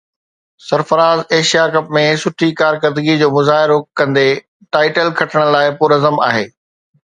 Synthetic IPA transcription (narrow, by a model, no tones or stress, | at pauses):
sɐɾfəɾaːzeːʃijakɐp̚mẽsʊʈʰikaːɾkəɾd̪əɡid͡ʑoːmʊzaːɦɪɾokɐ̃nd̪e | ʈaːɪʈəlkʰɐʈʰɪɽ̃laːɪpʊːɾɐzəma̰ːɦeː